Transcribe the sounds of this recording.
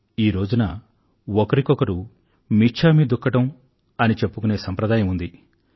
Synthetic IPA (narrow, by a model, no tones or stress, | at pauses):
iːɾo̞ːd͡ʒunɐ | ɔkɐɾikɔkɐɾu | mit͡ʃʰaːmid̪ukːɐʈɐm | ɐnit͡ʃe̞pːukune̞ːsɐmpɾɐd̪aːjɐmund̪i